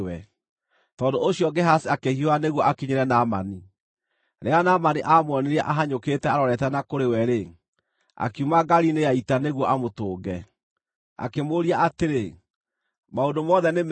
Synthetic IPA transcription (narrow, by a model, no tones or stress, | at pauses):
wɛ | tɔːdooɕjɔɡɛɦasiakehioaneɣwɔʔakiɲeɾɛnama̰ni | ɾeanamaniʔamwɔneɾɛʔaɦaɲoketɛaɾɔɾɛtɛnakoɾewɛɾe | a̰kiumaɡaɾinejaitaneɣwɔʔamotoːɡɛ | a̰kemoɾiaateɾe | maondomɔðɛnem